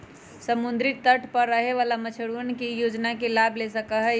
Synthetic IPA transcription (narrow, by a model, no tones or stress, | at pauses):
səmund̪ɾit̪t̪əʈʰpəɾːəɦeʋalamət͡ʃʰəɽuənkijoːd͡ʒnakelabʱlesəkəɦɛ